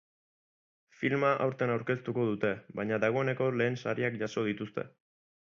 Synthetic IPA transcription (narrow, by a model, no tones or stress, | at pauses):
filmaʔa̰wɾt̪enawɾke̞st̪uko̞ðut̪e̞baɲaðaɣ̞o̞e̞ne̞ko̞le̞ːnsaɾiakʝaso̞ð̞it̪ust̪e̞̰